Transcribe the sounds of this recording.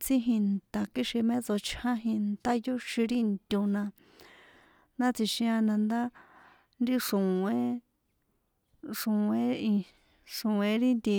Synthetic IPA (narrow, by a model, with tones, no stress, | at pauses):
t͡sĩ˦ɦĩ˧nt̪a˨ki˦ʃi˧mẽ˦t͡so˧t͡ʃʰhã˦ɦĩ˧nt̪a˦jo˦ʃĩ˧ɾi˦nt̪ʲũ˧nã˧ | nã˦t͡si˧ʃĩ˧a˧nã˧nd̪a˦ | nd̪i˦ʂũ˨ẽ˦ | ʂũ˨ẽ˦ĩ˧ | ʂũ˨ẽ˧˦ɾi˦nd̪i˧